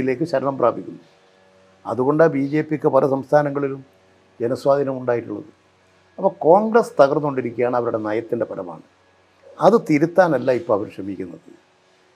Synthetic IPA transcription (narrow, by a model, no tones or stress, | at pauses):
ile̞ːk̬ːɨɕɐɾɐɳɐmpraːbikʲːunːu | ɐðuɣo̞ɳɖbiːd͡ʑe̞ːpːikʲːɨpɐlʔɐsɐmst̪ʰaːnɐŋːɐɭilum | d͡ʑenɐswaːd̪ʱinɐmuɳɖaːjiʈːuɭːɐ̰ðɨ | ɐpːɐko̞ːŋɡrɐst̪ɐɣɐrnuoɳɖiɾikʲːijaːɳɨɐʋɐɾuɽe̞nɐːjɐt̪ːinde̞pɐɾɐma̰ːɳɨ | ɐðɨt̪iɾut̪ːaːnɐlːaːipːoɐʋɐɾuʂrɐmikʲːunːɐðɨ